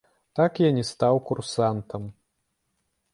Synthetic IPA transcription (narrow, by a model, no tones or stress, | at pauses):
t̪akjanʲɛst̪awkursant̪ɐm